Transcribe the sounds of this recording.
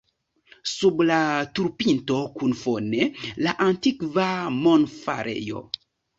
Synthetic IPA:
sublatuɾpinto̞kunfonelaʔantikvamonfa̰ɾe̞̰jo̞̰

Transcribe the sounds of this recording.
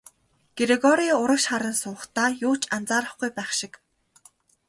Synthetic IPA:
ɡ̥eɾeɣɔɾiːʊɾə̆kʃχaɾə̆nsʊːχt̪aːjʊːt͡ɕʰant͡saːɾə̆χɡujpæːχʃɪ̆k

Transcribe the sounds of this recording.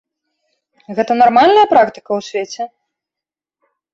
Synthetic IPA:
ɣɛt̪ɐnarmalʲnɐjɐpɾakt̪ɨ̥kɐwsʲvʲet͡sʲɛ

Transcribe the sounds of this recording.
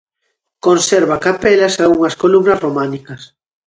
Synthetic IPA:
konsɛɾβakapɛlɐsaɣuŋɐskolumnɐsromanikɐs

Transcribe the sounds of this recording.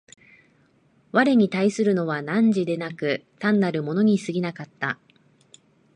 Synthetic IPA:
βaɾe̞ɲ̟it̪aisɨɾɯ̟no̞βanãɲ̟d͡ʑid̪e̞nakɯ̟t̪ãnːaɾɯ̟mo̞no̞ɲ̟isɨɡʲinakat̪ːa

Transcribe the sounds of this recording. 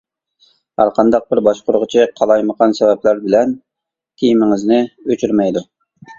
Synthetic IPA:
hæɾqʰɑnd̪ɑq̚bɪɾbɑʃqʊɾʁʊt͡ʃʰɪqʰɑlˠɑjməqɑnsɛvɛplæɾbɪlɛn | t̪ʰejimɪŋɪznɪøt͡ʃʰyɾmɛjd̪u

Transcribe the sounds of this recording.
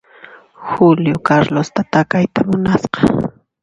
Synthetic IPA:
xʊljʊkaɾlost̪at̪akajt̪amʊnasqɑ

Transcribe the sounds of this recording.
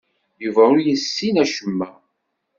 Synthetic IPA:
juvæʊjəsːinæʃəmːæ

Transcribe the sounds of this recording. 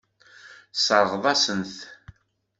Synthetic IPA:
səɾˤʁðˤɑsənθ

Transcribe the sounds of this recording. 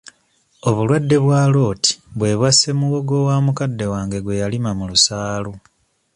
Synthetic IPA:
o̞βulwadːe̞βwaːlo̞ːti̥βwe̞ːβwase̞muɣo̞ɡo̞waːmukadːe̞waːŋɡe̞ɡwe̞jalimamulusaːlo

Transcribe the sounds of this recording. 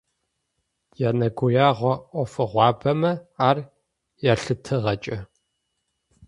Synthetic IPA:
jaːnɐɡʷʊjaːʁʷɔʔʷɔfɨʁʷɑːbɐmɐaːr | jaːɬɨtʰɨʁɐt͡ʃʼɐ

